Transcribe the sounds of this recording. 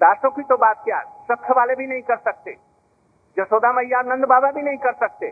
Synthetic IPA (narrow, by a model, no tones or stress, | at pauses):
d̪aːsõkit̪obaːt̪̚kja̰ɾsəkʰːəʋaːlebʱinɐĩkəɾsək̚t̪ḛ | d͡ʒəsoːd̪aməjːaɾnə̃nd̪baːbabʱinɐɦĩkəɾsək̚t̪e